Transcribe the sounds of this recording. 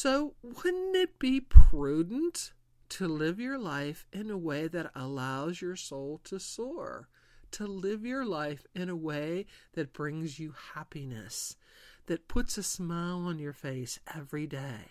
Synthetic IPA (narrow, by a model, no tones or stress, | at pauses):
soʊwɨ̃nɪt̚b̥ipʰɹ̥ʉdⁿn̩tʰ | ɨlɪvjə˞laɪfɨ̃nəweɪðɨɾə̰laʊzjə˞soʊlˠtʰɨsɔɹ | tʰəlɪvjə˞laɪfɨ̃ñəweɪðɨt̚b̥ɹɪ̃ŋzjɨhæpinɨ̰s | ðɨt̚pʰʊtsɨsmaɪlˠə̃njə˞feɪsʔɛvɹideɪ